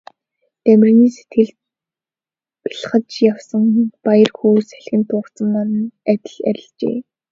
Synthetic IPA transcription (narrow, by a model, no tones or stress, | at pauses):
t̪æmʲrniːset̪ɡɘ̆ɮt̪ | pi̥ɮ̆χə̆t͡ɕjawsə̆ŋpajə̆rxuːsæ̥ɮxʲɪ̆nt̪ʰʊːkt͡sə̆mːanə̆næt̪ʲɪ̆ɮæ̰ɾʲɪ̆ɮt͡ɕḛː